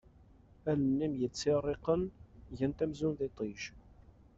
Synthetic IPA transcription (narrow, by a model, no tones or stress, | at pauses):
ælənːimjət͡sːɪrˤeqənʝənt̪æmzunðet̪ˤiʒ